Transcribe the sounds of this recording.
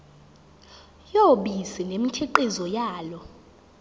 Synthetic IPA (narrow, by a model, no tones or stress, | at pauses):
joɓisinemitʰɛǃizɔjaːlɔ